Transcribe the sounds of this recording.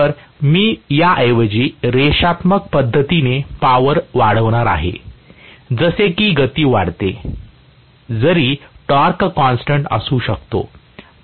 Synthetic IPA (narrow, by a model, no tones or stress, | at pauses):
əɾmiːjaʔəjʋəd͡ʑiːɾeɕat̪mək̚pəd̪ʱːət̪inepaʋəɾʋaɽ̤əʋɽ̃aɾa̰ɦḛ | d͡zəsekiːɡət̪iːʋaɽt̪e | d͡zəɾiːʈɔɾkkɔnsʈəɳʈə̰suːɕəkt̪o̰